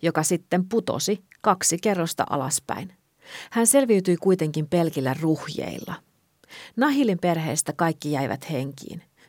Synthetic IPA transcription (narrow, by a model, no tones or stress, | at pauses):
jo̞kɑsit̪ːemput̪o̰sikɑksike̞rːo̞st̪ɑ̰ʔɑ̰lɑspæ̰in | hænse̞lʋiyt̪yjkujt̪e̞ŋkimpe̞lkilːæruhjḛilːɑ̰ | nɑɦilimpe̞rɦe̞ːst̪ækɑjkːijæjʋæ̰t̪he̞ŋkḭːn